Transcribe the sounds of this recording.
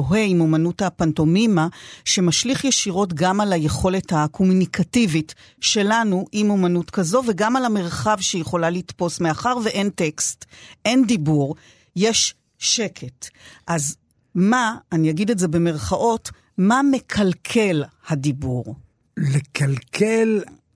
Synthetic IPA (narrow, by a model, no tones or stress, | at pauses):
oɦeimomanuthapanto̞mimaʃe̞maʃliχjeʃiʁo̞t̬ɡamalaje̞χo̞lethakʰomunikativit | ʃe̞lanuʔimomanutkazo̞veɡamalame̞ʁχavʃejeχo̞lalitpo̞smeaχaʁveʔe̞nte̞kstʔe̞ndibuʁ | jeʃ | ʃe̞kʰe̞tʔaz | maːnijaɡideze̞be̞meʁχaʔo̞t | mame̞kʰalkʰelhadibuʁ | lekalkʰel